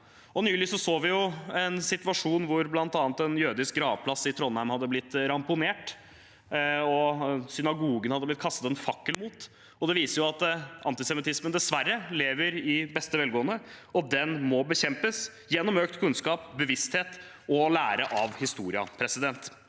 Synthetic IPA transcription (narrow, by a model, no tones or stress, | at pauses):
ɔnyːlɪsɔsoːʋɪjʊɛnsɪt̪ʋɑʂuːnʋʊɾblɑnt̪ɑːnt̪ɛnjøːd̪ɪsk̚ɡɾɑːʋpʰlɑsɪt̪ʰɾɔnhæɪmhɑd̪ːəblɪt̪ːɾɑmpʊneːʈ | ɔsʏnɑɡuːɡənhɑd̪əblɪt̪̚kʰɑst̪ɑt̪ɛnfɑkːəlmuːt̪ | ɔd̪ɛʋiːsəɾjʊɑt̪ɑ̰nt̪ɪsɛmɪt̪ʰɪsmənd̪ɛsʋærːəleːʋəɾɪbɛst̪əʋɛlɡoːənəɔd̪ɛnmɔbəçɛmpəs | jɛnːɔmøːk̚t̪kʰʉnskɑːp̚bəʋɪst̪heːt̪ | ɔlæ̰ːɾəʔɑʋhɪst̪uːɾɪɑ̰pʰɾɛsɪd̪ɛnt̪